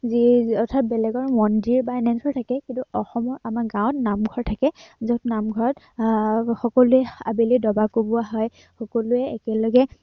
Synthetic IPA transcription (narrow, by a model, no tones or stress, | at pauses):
ziɔtʰabɛlɛɡɔɹmɔndiɹbajnɛnsʰɔɹtʰakɛkintuɔxɔmɔɹamaɡãwtnamɡʱɔɹtʰakɛzotnamɡʱɔɹɔt | xɔkɔlʊɛa̰bilidɔbakobʊaɦɔj | xɔkɔlʊɛːkɛlɔɡɛ